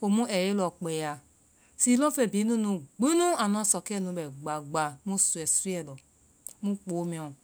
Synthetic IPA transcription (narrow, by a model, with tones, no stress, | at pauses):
o˨mũ˦ʔɛ˨je˦lɔ˨k͡pɛ˨ja˨ | si˦lɔ̃˦fe˨bi˨˦nũ˦nũ˨ɡ͡bi˦nũ˦a˨n˨˦ã˦sɔ˨kɛ˦˨nũ˧˦bɛ˨ɡ͡ba˨ɡ͡ba˨˦mũ˦su˨ɛ˨su˦ɛ˦˨lɔ˨ | mũ˦k͡po˨˦mĩ˨ɔ̃˨